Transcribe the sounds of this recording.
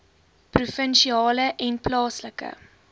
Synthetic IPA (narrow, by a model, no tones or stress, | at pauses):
prufənʃiɑːləʔɛnplɑːsləkə̰